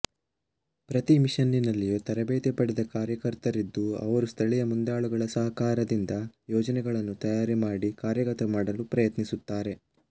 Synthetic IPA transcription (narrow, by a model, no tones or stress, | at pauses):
pɾɐt̪imiʃɐnːinɐlːijut̪ɐɾɐbeːt̪ɛpɐɽɛd̪ɐkaːɾjɐkɐɾt̪ɐɾid̪ːuɐ̰ʋɐɾust̪ʰɐɭijɐmund̪aːɭuɡɐɭɐsɐɦɐkaːɾɐd̪ind̪ɐjɔːd͡ʒɐnɛɡɐɭɐnːut̪ɐjaːɾimaːɽikaːɾjɐkɐt̪ɐmaːɽɐlupɾɐjɐt̪nisut̪ːaːɾe̞